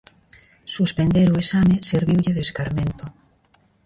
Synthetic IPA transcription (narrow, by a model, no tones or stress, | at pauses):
suspend̪eɾoesameseɾβiwʎeðeskaɾmẽnt̪o